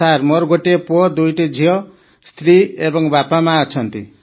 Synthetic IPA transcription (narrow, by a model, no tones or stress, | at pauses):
armʌɾɡoʈepod̪ujʈid͡zʱijʌ | st̪ɾiebʌŋbapamaʌt͡sʰʌnt̪ḭ